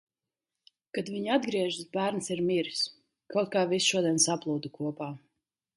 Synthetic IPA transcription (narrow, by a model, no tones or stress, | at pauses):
kad̪viɲad̪ɡɾiɛʒuzbæːɾnsiɾmiɾis | kawt̪̚kaːvisʃuɔd̪iɛnsaplˠuːd̪ukuɔpaː